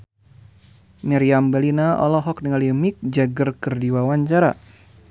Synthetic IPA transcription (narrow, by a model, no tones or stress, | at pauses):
mɛɾiambɛlinaɔ̰lɔɦɔk̚niŋalimik̚d͡ʒaɡərkɨrdiwawaɲt͡ʃaɾa̰